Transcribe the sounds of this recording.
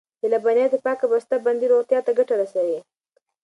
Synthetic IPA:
d͡ʒelabanjɑd̪epɑkabast̪aband̪iɾot̪jɑt̪aɡaʈaɾasawi

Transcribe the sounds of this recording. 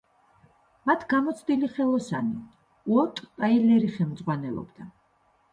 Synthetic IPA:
mat̪ʰɡamɔt̪sʰd̪iliχɛlˠɔsani | uɔt̪ʼpʼailɛɾiχɛmd̪zʁwanɛlˠɔ̰bd̪a

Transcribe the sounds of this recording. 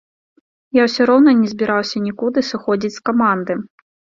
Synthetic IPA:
jawsʲɔɾɔwnɐnʲɛzʲbʲiɾawsʲɐnʲikud̪ɨsɨxɔd͡zʲit͡sʲskamand̪ɨ

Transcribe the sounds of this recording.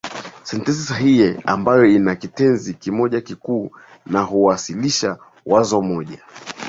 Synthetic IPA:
sɛntɛns̬isaɦijɛambajɔinakitɛnzikimɔʄakikuː | naɦuwasiliʃa | wazɔmɔʄa

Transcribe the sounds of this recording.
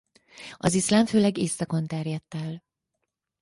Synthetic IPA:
ɒzislaːɱføːlɛɡeːsɒko̞nt̪ɛrjɛt̪ːɛl

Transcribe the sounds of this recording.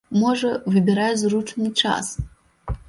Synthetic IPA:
moʐɛvɨbʲɪɾajzruʈ͡ʂʰnɨt͡ʂʰa̰s

